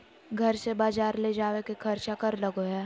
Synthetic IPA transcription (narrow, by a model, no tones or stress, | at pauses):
ɡʱɐɾsebaːd͡ʒaːɾled͡ʒaːwekekʰɐɾt͡ʃakəɾləɡoɦɛː